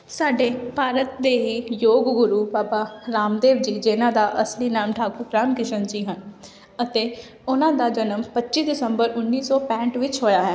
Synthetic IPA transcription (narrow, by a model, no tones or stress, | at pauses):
saːɖeːpaːɾət̪̚d̪eːɦiːjoːɡɡʊɾuːbaːpaːɾaːmd̪eːʋd͡ʒiːd͡ʒeːnãːd̪aːʔəsliːnaːmʈʰaːkʊɾkɾaːmkɪʃənd͡ʒiːɦən | ət̪eː | ʊnãːd̪aːd͡ʒənəmpətːt͡ʃiːd̪ɪsəmbəɾʊnːiːsɔːpɛ̃ːɳʈʋɪt͡ʃɦoːjaːɦɛː